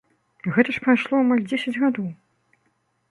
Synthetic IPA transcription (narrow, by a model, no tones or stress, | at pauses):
ɣɛt̪ɐʂpɾajʂlˠɔamalʲd͡zʲesʲɐd͡zʲɣad̪ɔw